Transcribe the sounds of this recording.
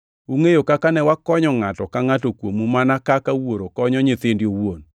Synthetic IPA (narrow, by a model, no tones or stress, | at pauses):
uŋejokakanɛwakɔɲɔŋatɔkaŋatokwomumanakakawoɾokɔɲɔɲɪt̪ɪndjowon